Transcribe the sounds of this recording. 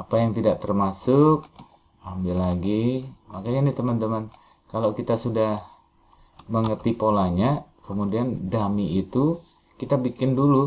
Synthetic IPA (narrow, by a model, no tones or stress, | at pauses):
apajaŋt̪idaʔ̚t̪ərmasʊk̚ | ambɪlaɡimakaɲanit̪əmənt̪əmən | kalawkit̪asudah | məŋərt̪ipolaɲakəmudiandamiːt̪u | kit̪abikɪndulu